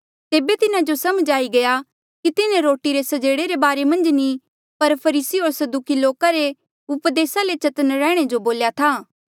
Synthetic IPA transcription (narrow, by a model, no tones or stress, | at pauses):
t̪eːbet̪ɪnad͡ʒosɐmd͡ʒaːiɡɐja | kit̪ɪnẽɾoːʈiɾesɐd͡ʒeːɽeɾebaːɾemɐ̃nd͡ʒni | pɐɾpʰɐɾiːsiɦoːɾsɐd̪ukiloːkaɾe | ʊpd̪eːsalet͡ʃɐt̪ənɾɛ̃ːɽ̃ed͡ʒoboːljat̪ʰaː